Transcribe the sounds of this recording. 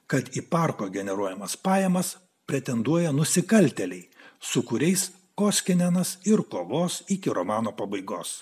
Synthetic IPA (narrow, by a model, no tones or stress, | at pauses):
kɐt̪ipɑɾkoːɡʲɛnʲɛɾuɔjɛmɐspɑːjɛmɐs | pʲɾʲɛt̪ʲɛnd̪uɔjɛnʊsʲɪkɐlʲt̪ʲɛlʲɛɪsʊkʊɾʲɛɪs | koːsʲkʲɪnʲɛnɐsɪɾkoːʋoːsɪkʲɪɾomɑːnoːpɐbɐɪɡoːs